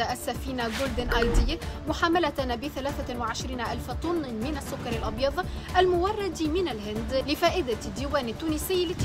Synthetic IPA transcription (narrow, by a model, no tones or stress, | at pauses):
aʔasːafiːnaɡoːld̪ɪnʔajd̪ɪjːamʊħaːmalanbɪθalaːθawɪʕɪʃɾiːnaʔalfat̪ˤʊnːmɪnasːʊkːɑɾˤɑlʔɑbjɑðˤɑʔalmʊwɑrˤːɑd̪mɪnalɦɪnd̪lɪfaːʔɪd̪ad̪ːiːwaːnɪt̪ːuːnɪsɪjːlɪt̪ː